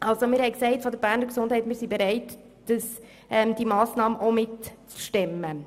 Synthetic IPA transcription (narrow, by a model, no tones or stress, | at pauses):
ʔɑlsomɪːɾhɛɪksɛɪtfɔdəɾb̥æːɾnəɾksʊnd̥hɛɪtmɪːɾsibeɾɛɪt | d̥əs | ʔɛmd̥imɑːsnɑːməʔomɪtt͡sʃtɛmːə